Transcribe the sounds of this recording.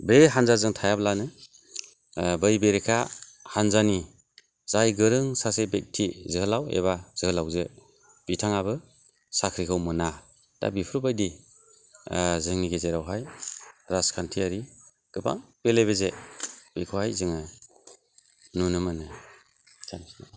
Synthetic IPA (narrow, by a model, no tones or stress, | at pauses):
beɦanzazɯŋtʰajablanɯ | bɯjbeɾekʰahanzani | z̥ajɡɯɾɯŋsasebek̚tʰizɯhɯlawḛβaz̥ɯhɯlawze | b̥itʰaŋaβɯ | sakʰɾikʰawmɯna | d̥a̰bipʰɾbajdi | zɯŋniɡezeɾawɦajɾaskʰantʰiaɾi | ɡ̥ɯpʰa̰ŋb̥eleβezeb̥ikʰɯwhajzɯŋa | nunɯmɯnɯ | kʰansna